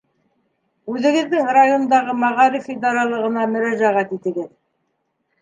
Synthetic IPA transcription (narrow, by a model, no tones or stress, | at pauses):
ʉðɘ̆ɡɘ̆ðːɘŋrajo̞nd̪ɑʁɤmɑʁɑɾifid̪ɑɾɑlˠɤ̆ʁɤ̆nɑmɵ̆ɾæʒæʁæt̪it̪ɘ̆ɡɘð